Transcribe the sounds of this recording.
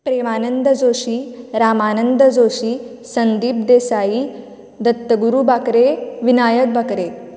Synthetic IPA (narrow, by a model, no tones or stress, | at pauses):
pɾemaːnənd̪əd͡zoɕiːɾamaːnənd̪əd͡zoɕiː | sənd̪iːp̚d̪esajiː | d̪ət̪ːəɡuɾubakɾeʋinajət̪̚bʱəkɾe